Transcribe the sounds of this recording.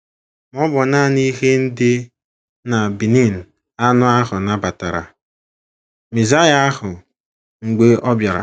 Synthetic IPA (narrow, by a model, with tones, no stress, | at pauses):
m˦ɔ˦bɔ˨na˦˨ni˦ɦe˦n̩˦dɪ˦ | na˨bi˨ni˦˨n̩˨ | a˦nʊ˦a˦ɦʊ˨na˨ba˨ta˨ɾa̰˨ | mi˨za˦ja˦a˦ɦʊ˨ | ŋ̩˨ɡ͡be˦ɔ˦bja˨ɾa̰˨